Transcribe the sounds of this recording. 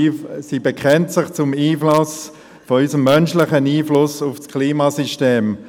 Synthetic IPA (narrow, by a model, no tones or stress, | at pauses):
sibekχɛntsɪχt͡sʊmiːflɑs | fɔysəmːœnʃlɪχəniːflʊsʊfskʰliːmasyʃteːm